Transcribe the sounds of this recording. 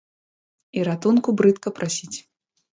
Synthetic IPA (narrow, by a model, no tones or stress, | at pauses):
iɾat̪unkubɾɨt̪kɐpɾasʲit͡sʲ